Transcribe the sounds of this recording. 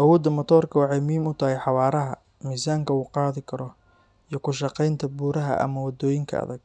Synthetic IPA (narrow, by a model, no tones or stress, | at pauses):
ʔɐwɔːd̪ɐmɔt̪ʰɔːrkʰɐwɑħɑjmiːmʊt̪ʰɐɦɛjħɑwɑːɾɐɦɐ | miːsaːŋkʰɐuːqɑːðɪkʰɐɾɔ | ijɞkʰʊʃɑqɛjnt̪ʰɐbuːɾɐɦɐ̰ʔɐ̰mɐwɐd̪ɔːjɪŋkʰɐ̰ɐ̰ðɐɡ̚